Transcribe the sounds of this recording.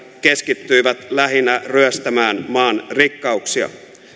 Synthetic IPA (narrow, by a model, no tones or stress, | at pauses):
ke̞skit̪ːyjʋæt̪læɦinːæryøst̪æmæːnmɑːnrikːɑuksiɑ̰